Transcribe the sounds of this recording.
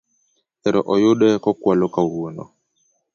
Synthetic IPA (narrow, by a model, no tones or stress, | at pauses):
tɛɾɔʔɔjoɗɛkɔkwalokauwonɔ̰